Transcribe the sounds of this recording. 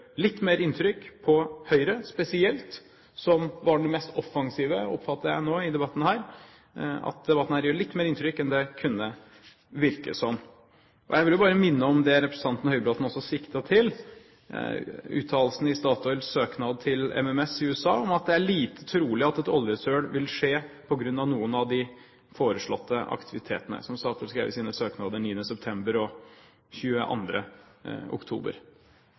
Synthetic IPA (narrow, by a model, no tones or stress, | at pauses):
lɪt̪ːmeːɾɪnt̪ʰɾʏkːpʰɔhœʏɾəspɛsɪɛlt̪ | sɔmʋɑɖɛmɛst̪ɔfɑŋsiːʋəɔ̰pfɑt̪ːəɾjæ̰ɪnoːɪd̪ɛbɑt̪ːn̩hæːɾ | ɑ̰t̪̚d̪ɛbɑt̪ːn̩hæːɾjøːɭɪt̪ːmeːɾɪnt̪ɾʏkːɛnd̪ɛkʰʉnːə | ʋɪɾkə̰sɔm | ʔɔ̰jæɪʋɪljʊbɑːɾəmɪnːəɔmd̪ɛɾɛpɾsə̥ɑnt̪ənɔhœʏəbɾɑːt̪n̩ɔsːɔsɪkt̪ət̪ʰɪl | ʉ̰ːt̪ʰɑːllsnəɪst̪ɑːt̪ʊɛlsøːknɑːd̪̚t̪ʰɪlɛ̰mɛmɛsɪʉːɛsɑ̰ːɔmɑt̪̚d̪ɛæɭiːt̪ʰə̥t̪ʰɾuːlɪɑt̪ɛt̪ɔljəsøːɽʋɪlʂeːpʰɔɡɾʉnːɑʋnuːənɑʋd̪ɪ | foːɾəʂɭɔt̪ʰːəɑ̰kt̪ʰɪʋɪt̪ʰḛːt̪ənə̰sɔmst̪ɑːt̪ʰːlskɾḛːʋə̰siːnəsøːknɑːd̪əniːənəsɛp̚t̪ʰɛmbəɾɔ | çʉːə̰ʔɑ̰nd̪ɾə̰ʊ̰kt̪ʰṵːbə̰ɾ